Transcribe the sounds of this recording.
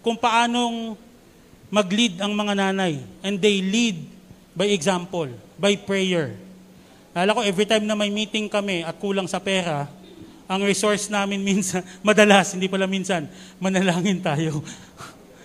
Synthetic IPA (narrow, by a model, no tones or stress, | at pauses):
kʊŋpɐʔaːno̞ŋ | mɐɡlid̪ɐŋmɐŋanaːnɐjʔɛnd̪ejlid̪̚ | bɐjɛɡsampolbɐjpɹɛjɛɹ | laːlɐko̞ʔɛvɹit̪ajmnɐmɐjmiːt̪ɪŋkɐmɛɐt̪̚kuːlɐŋsɐpɛːɾɐ | ʔɐŋɹɪso̞ɹsnaːmɪnminsɐnmɐd̪ɐlashɪnd̪ipɐlaminsɐnmɐnɐlaːŋɪnt̪aːjo